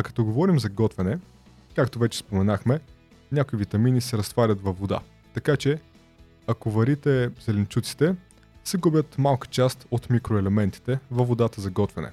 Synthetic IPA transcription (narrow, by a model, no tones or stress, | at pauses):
ɐkɐ̥t̪ɔɡovɔɾimzɐɡɔt̪vɛnɛ | kakt̪ovɛt͡ʃɛ̥spomɛnaxmɛ | nʲakoivit̪ɐminisɛɾɐst̪vaɾʲət̪vɐvod̪a̰ | t̪ɐkat͡ʃɛ | ɐkovɐɾit̪ɛzɛlɛnt͡ʃut̪si̥t̪ɛ | sɛɡubʲjət̪malˠkə̥t͡ʃast̪ot̪mikɾoɛlɛmɛnt̪i̥t̪ɛvɐvod̪at̪əzɐɡɔt̪vɛnɛ̰